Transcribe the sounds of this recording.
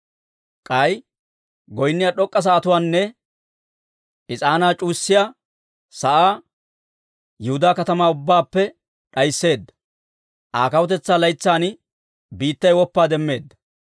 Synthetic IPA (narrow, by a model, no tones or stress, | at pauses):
kʼɐj | ɡɔjnːɪjaɗɔkʼːɐs̬ɐːt̪ʊwaːnːɛ | ʔɪt͡sʼaːnaːt͡ʃʼuːsːɪja | sɐʔaː | jɛhʊd̪aːkɐt̪ɐmaːʊbːaːpːɛ | ɗɐjɪsːe̞ːd̪ːɐ̥ | ʔaːkɐwɔt̪ɛt͡sːaːlɐjt͡sːaːn | biːt̪ːɐjwɔpːaːd̪ɛmːe̞ːd̪ːɐ̥